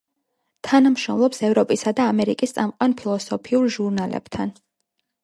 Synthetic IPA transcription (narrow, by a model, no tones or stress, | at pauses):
t̪ʰanamʃɔ̰mlˠɔpsɛvɾɔpʼisad̪aːmɛɾikʼist̪sʼamqʼwanpʰilˠɔsɔpʰiuɾʒuɾnalɛ̰b̥t̪ʰan